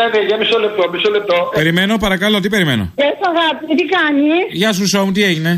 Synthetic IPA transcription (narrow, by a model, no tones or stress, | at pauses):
ɐðeʝɐmisolep̚t̪omisolep̚t̪ope̞ɾime̞no̞pɐɾɐkɐlo̞t̪ipe̞ɾimḛno̰esɐɣɐpit̪ikɐnisʝɐs̬usomut̪ie̞ʝine̞